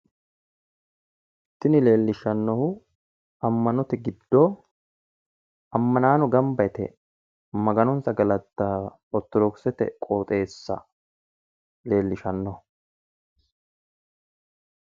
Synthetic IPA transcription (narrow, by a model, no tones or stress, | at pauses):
t̪ːɪnɪle̞ːlːɪʃɐnːɔhʊ | ɐmːɐnɔt̪ɛɡɪd̪ːoː | ɐmːɐnaːnɔɡɐmbɐjt̪ɛ̰ | mɐɡɐnɔnsɐɡɐlɐt̪ːaː | ɔt̪ːɔd̪ɔksɛt̪ɛ̰kʼoːt̪ʼe̞ːsːɐ̰ | le̞ːlːɪʃɐnːɔhʊ